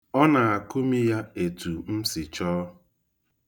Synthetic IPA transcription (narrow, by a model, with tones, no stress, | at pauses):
ɔ˦na˨a˨ku˦mi˦ja˦e˨tu˨m̩˦sɪ˨t͡ʃɔː˦